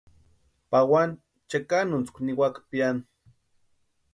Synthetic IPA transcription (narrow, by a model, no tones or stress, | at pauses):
pawan | t͡ʃakanunt͡skʷniwakpian